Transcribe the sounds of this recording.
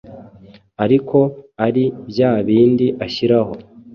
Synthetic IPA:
aɾiko̞aɾibjaːβiːndiʔaçiɾaho̞

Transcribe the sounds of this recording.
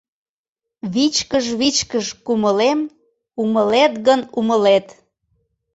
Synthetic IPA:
βit͡ɕkəʒβit͡ɕkəʃkuməlem | uməlet̪ɣənuməlet̪

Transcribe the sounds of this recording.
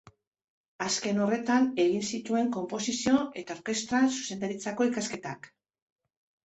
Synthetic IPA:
aske̞no̞re̞t̪ane̞ɣ̞insit̪ue̞ŋko̞mpo̞sisio̞ʔe̞t̪ao̞ɾke̞st̪ɾasu̥se̞nd̪aɾit͡sako̞ikaske̞t̪ak

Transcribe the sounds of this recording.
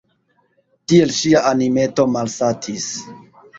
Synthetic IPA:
tie̞lʃiaanime̞to̞malsatʰis

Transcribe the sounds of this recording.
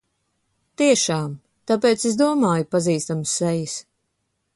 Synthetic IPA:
t̪iɛʃaːm | t̪apɛːt̪sesd̪uɔmaːjupaziːst̪amsːɛjis

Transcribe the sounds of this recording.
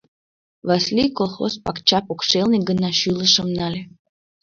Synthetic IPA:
vɑsʲlʲijkolˠxo̰spɑkt͡ɕɑpokʃelniɡənɑʃyləʃə̆mnɑlʲe

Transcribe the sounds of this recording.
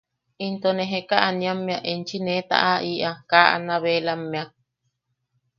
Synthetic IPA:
int̪oneɦekaʔanĩamːẽaʔent͡ʃinẽt̪a̰ʔaʔiʔakaʔa̰nãβelamːẽa

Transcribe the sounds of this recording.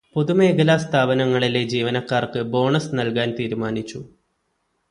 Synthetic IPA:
po̞ðume̞ːɡɐlaːst̪ʰaːbɐnɐŋːɐɭiled͡ʑiːʋɐnɐkːaːrkɨbo̞ːɳɐsnɐlkaːnt̪iːɾumaːnit͡ɕːu

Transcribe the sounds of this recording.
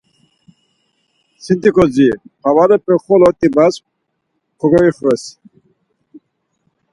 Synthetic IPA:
sint̪ikɔzipawaɾɛpɛχɔlɔt̪ibas | kʰɔɡɔiχɾɛs

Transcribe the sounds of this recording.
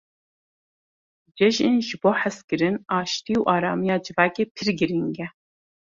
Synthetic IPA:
d͡ʒɛʒinʒɨboːħæskɨɾɨnɑːʃt̪iuʔɑːɾɑːmijɑːd͡ʒɨvɑːkeːpʰɨɾɡɨɾiŋɡɛ

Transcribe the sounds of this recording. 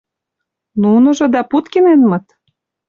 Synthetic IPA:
nunɤ̆ʒɤ̆d̪ɑput̪kenenmɤ̆t̪

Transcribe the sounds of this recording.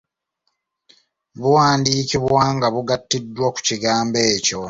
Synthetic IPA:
βuwaːndiːciβwaːŋɡaβuɡatːidːwaku̥ciɡaːmbe̞ːco̞

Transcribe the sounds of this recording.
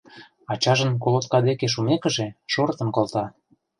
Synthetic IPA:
ɑt͡ɕɑʒə̆nkolot̪̚kɑd̪ekeʃ̬umekə̆ʒeʃort̪ə̆nkolt̪ɑ

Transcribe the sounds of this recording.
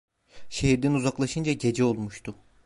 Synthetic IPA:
ʃe̞hiɾd̪inuzaklˠaʃɯnd͡ʒaɟe̞d͡ʒɛo̞lˠmuʃt̪ʰʊ

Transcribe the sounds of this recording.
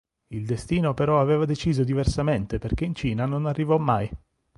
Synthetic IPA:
ild̪est̪iːnopeɾɔaveːvad̪et͡ʃiːzod̪iversament̪eperk̟eint͡ʃiːnanonarːivɔmːaj

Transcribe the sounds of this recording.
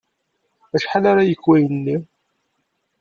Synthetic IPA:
æʃħalaɾajəkːwæjənːi

